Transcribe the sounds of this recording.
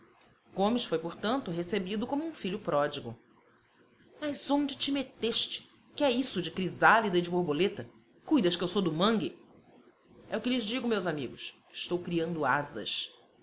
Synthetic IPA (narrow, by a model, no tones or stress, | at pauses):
ɡ̥õmɪsfojpoɾt̪ɐ̃nt̪ʊɦesebid̪ʊkõmʊũfiʎʊpɾɔd͡ʒiɡʊ̰ | mɐzõñd͡ʒɪt͡ʃɪmet̪eʃt͡ʃɪ̥ | kɪɛisʊd͡ʒɪkɾizalid̪ɐɪid͡ʒɪboɾbolet̪ɐ | kujd̪ɐʃkɪewsowd̪ʊmɐ̃ŋɡɪ | ɛʊkɪlɪzd͡ʒiɡõmewzamiɡʊs | ɪ̥ʃt̪owkɾiɐ̃nd̪ʊazɐ̰ʃ